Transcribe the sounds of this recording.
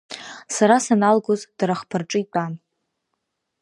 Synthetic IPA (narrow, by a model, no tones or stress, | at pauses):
saɾasanalɡozd̥aɾaχpʰarʈ͡ʂʼɨitʷʼan